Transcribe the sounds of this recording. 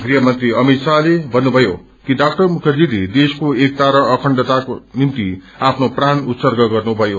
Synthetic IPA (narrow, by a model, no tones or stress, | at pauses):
ɡriɦʌmʌnt̪riʌmit̪salebʱʌnːubʱʌjo | kidak̚ʈʌrmukʰʌd͡zid̪id̪eskoek̚t̪aɾʌʌkʰʌɳɖʌt̪akonimt̪i | apʰnopranut̪sʌrɡʌɡʌrnubʱʌjo